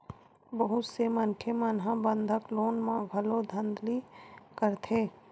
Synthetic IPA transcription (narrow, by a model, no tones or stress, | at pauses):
bəɦʊt̪semə̃nʈʰjemənɦãbə̃nd̪ʱəkloːnmãɡʱəlod̪ʱə̃nd̪likəɾt̪ʰeː